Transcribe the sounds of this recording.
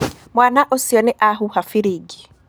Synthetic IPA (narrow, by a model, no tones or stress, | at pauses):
mwanaʔosiɔneʔaɦuhafiɾiɡi̥